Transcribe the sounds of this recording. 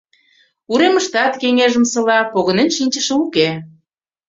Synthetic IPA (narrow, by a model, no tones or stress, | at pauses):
uɾeməʃt̪ɑt̪keŋeʒəmsɤ̆lɑpoɣənenʃinʲt͡ɕəʃəuke